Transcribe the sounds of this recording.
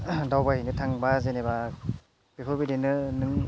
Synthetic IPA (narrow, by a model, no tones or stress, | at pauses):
dawbaɦinɯtʰaŋbazeneba | b̥epʰobidenɯnɯŋ